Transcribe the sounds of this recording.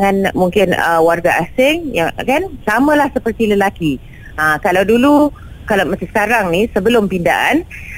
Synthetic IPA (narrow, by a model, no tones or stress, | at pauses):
ŋanmuŋkɪnə̰warɡaʔasɪŋjaŋkansamə̃lahsəpərt̪iləlaki | ə̃kalawdulu | kalawmə̃səskaɾaŋnĩsəbəlʊmpinda̰ʔan